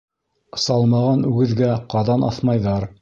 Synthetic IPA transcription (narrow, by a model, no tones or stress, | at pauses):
sɑlˠmɑʁɑnʉɡɘ̆ðɡæqɑðɑnʔɑ̰θmɑjðɑɾ